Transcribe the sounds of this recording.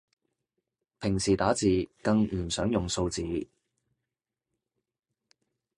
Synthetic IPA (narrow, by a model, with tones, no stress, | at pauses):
pʰɪ˨˩ŋsiː˨˩t̪aː˨˥t͡siː˨kɐ˧ŋm̩˨˩sœː˨˥ŋjʊ˨˩ŋso˧wt͡siː˨˧